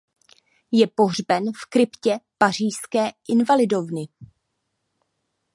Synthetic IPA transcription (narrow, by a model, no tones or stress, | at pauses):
jɛpo̞ɦr̝bɛnfkɾɪpcɛpar̝iːskɛːʔɪnvalɪdo̞vnɪ